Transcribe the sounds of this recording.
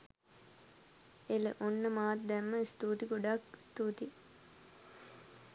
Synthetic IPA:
elə̰ʔonːəmaːt̪d̪ɛmːəist̪uːt̪iɡoɖakst̪uːt̪i

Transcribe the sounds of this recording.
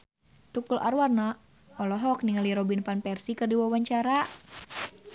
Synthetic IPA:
t̪ukulʔa̰ɾwarna | ɔlɔɦɔk̚niŋaliɾɔbinfanpɛrsikɨrdiwawaɲt͡ʃaɾa

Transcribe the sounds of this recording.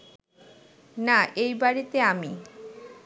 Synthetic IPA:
naʔejbaɾit̪eami

